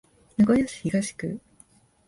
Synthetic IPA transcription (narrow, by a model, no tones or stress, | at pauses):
naɡojaɕi̥çiɡaɕi̥kɯ